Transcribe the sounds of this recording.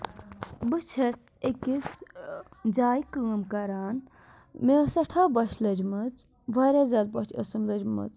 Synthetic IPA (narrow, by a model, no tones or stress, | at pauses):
bɨt͡ʃʰɐs | ekʲis | d͡ʒaːjkəːmkɐɾaːn | mesɐʈʰaːbɐʃʰlɐd͡ʒmɐt͡s | ʋaɾʲaːzʲaːd̪̚bɐt͡ʃʰə̰sɐmlɐd͡ʒmɐ̰t͡s